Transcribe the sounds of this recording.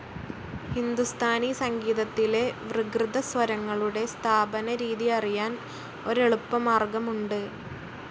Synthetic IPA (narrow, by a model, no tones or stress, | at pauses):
hind̪ust̪ʰaːnisɐŋɡiːðɐt̪ːile̞ʋrɨɡrɨd̪ɐsʋɐɾɐŋːɐɭuɽe̞st̪ʰaːbɐnɐɾiːðijɐrijaːn | o̞ɾeɭupːɐmaːrɡɐmuɳɖɨ